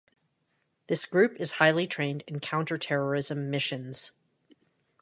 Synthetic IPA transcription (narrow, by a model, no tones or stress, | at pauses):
ðɪsɡ̥ɹʉpɨz̥haɪlˠitʰɹ̥ẽɪ̃ndɨ̃nkʰãʊ̃ntə˞tʰɛɹə˞ɪzɨ̃mːɪʃɨ̃nz̥